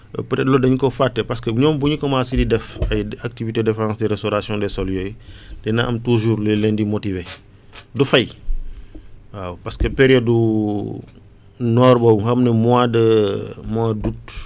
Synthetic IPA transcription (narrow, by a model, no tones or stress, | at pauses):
ptɛtlɔdɐɲukofatːɛpɐskəɲɔːmbuɲukɔmasididɛfɐjak̚tivitedɛfɾãːsdɛɾestoɾasjɔ̃ndɛsɔljɔjdɛnaʔɐmtuʒuːɾlelɛndimotive | dufɐj | wapɐskəpeɾijɔdu | nɔːɾbɔbuŋhɐmnɛmuadəmwadut